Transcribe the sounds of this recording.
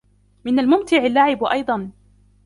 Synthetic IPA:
mɪnalmʊmt̪ɪʕalːaʕɪbʔɑjd̪ˤɑn

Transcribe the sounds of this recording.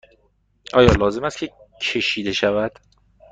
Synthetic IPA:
ʔɒːjɒːlɒːze̞mæst̪kcʰe | cʰe̞ʃiːd̪e̞ʃævæd̪̥

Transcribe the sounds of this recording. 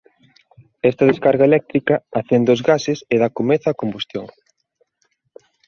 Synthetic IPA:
ɛst̪ɐðeskaɾɣɐelɛk̚t̪ɾikɐaθend̪ozɣasɪseðakomeθɐːkombust̪joŋ

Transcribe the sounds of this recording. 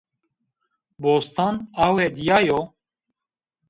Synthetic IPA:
boːst̪ɑːnɑːwɛd̪ijɑːjo

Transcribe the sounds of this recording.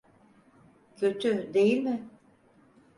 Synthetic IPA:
cʰø̞t̪ʰyd̪e̞jilʲmɪ

